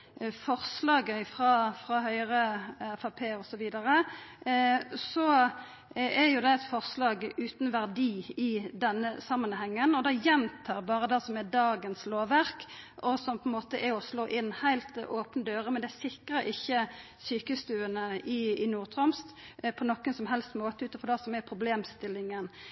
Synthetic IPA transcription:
fɔʁslɑːɡəfʁɑːfʁɑhœʏʁəɛfɑpʰeːɔsɔʋiːd̪ɑʁə | sɔ | ɛɾjʊd̪ɛɛɪt̪fɔʁslɑːɡʉːt̪nʋæʁd̪iːɪd̪ɛnːəsɑmːənhɛŋːənɔd̪ɛjɛnt̪ʰɑːʁbɑːʁəd̪ɛsɔmɛd̪ɑːɡənsloːʋæʁkɔsɔmpʰɔɛnmoːt̪əʔɛɔsloːʔɪnːhæɪlt̪oːpnəd̪øːɾəmɛnd̪ɛæsɪkʁəɾɪçːə | syːkəst̪ʉːənəʔɪɪnuːʁt̪ʰʁɔmst̪pʰɔnɔkːənsɔmɦɛlst̪moːt̪əʉːt̪ɔfɔd̪ɑsɔmɛpʰʁʊbleːmst̪ɪlːɪŋən

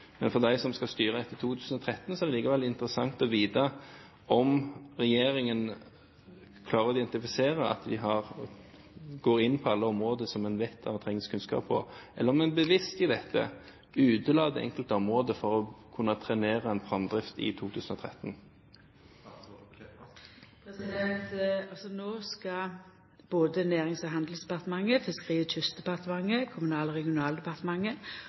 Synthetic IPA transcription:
mɛnfɔʁd̪æɪsɔmskɑst̪yːɾəd̪ɛt̪ːəɪt̪ʰuːt̪ʰʉːsən̩ɔt̪ʰɾɛt̪ːnsɔɛɾd̪ɛliːkəʋɛlɪnt̪əʁəsɑŋt̪ɔʋiːd̪ə | ʔɔmʁɛjeːɾɪŋən | kʰlɑːʁəɾɔɪd̪ɛnt̪ɪfɪseːɾəɑ̰t̪d̪ɪɦɑʁ | ɡoːɾɪnːpʰɔɑlːəɔmʁoːd̪əsɔmɛnʋɛt̪ʰːɑ̰ʋnt̪ʰʁɛŋːɪskʰʉnskɑ̰ːpʰːɔ̰ʔɛləɾɔmɛnbəʋɪst̪ɪd̪ɛt̪ʰːə̰ | ʉːd̪əlɑːd̪ɛ̰ʔɛ̰ŋkəlt̪əɔmʁoːd̪əfɔʁɔkʰʉnːɑt̪ʰʁɛneːʁəɛnpʰʁɑnd̪ʁɪft̪ɪ̰t̪ʰuːt̪ʰʉːsnɔt̪ʰʁɛt̪ːn | pʰɾɛsɪd̪ɛnt̪ɑlsɔnoːskɑ | b̥oːd̪ənæːʁɪŋsɑhɑnd̪l̩sd̪ɛpɑt̪əmɑŋːəfɪskʁiːʋət̪ʰʏst̪d̪ɛpɑʁt̪əmɑŋːəkʰʊmʉnɑːlʁɛɡɪʊnɑːld̪ɛpɑʁt̪əmɑŋːə

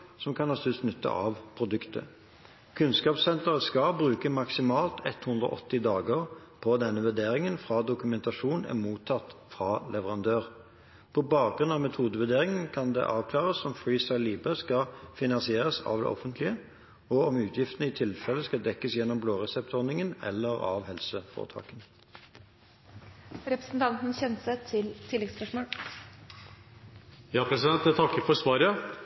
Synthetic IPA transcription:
sɔmkʰɑnɑst̪ʉst̪nʉt̪ːə̰ʔɑ̰ʋpʰʁʊd̪ʉkt̪ə̰ | kʰʉnskɑːpsɛnt̪əʁəskɑbʁʉːkəmɑksɪmɑːlt̪ʰɛt̪hʉnd̪ɾɔ̰ʔɔ̰t̪ːɪd̪ɑːɡəʁpʰɔd̪ɛnːəʋʉd̪eːɾɪŋənfʁɑd̪ʊkʉmɛnt̪ɑʂuːnæ̰muːt̪ʰːɑt̪fʁɑlɛʋəʁɑnd̪øːʁ | pʰɔbɑːk̚ɡʁʉnɑʋmɛt̪ʰuːd̪əʋʉd̪eːʁɪŋənkʰɑnd̪ɛ̰ʔɑːʋkʰlɑːʁəsɔmfɾiːst̪ɑɪliːbəskɑfɪnɑnsɪeːʁəsɑ̰ːʋd̪ɛ̰ʔɔ̰fənt̪ʰlɪə | ɔɔmʉːt̪ʰjɪft̪ənəɪt̪ʰɪlfɛlːəskɑd̪ɛkːəsjɛnːɔmbloːʁɛsɛp̚t̪ɔʁnɪŋənɛ̰lːəʁɑ̰ʋhɛlsəfo̰ːʁt̪ʰɑ̰ːkən | ɾɛpɾəsn̩t̪ʰɑnt̪n̩çɛnsət̪ʰɪlt̪ʰɪlɛɡspœʂmoːl | jɑːpʰɾɛsɪd̪ɛnt̪ɛt̪ʰɑkːəfɔsʋɑːɾə

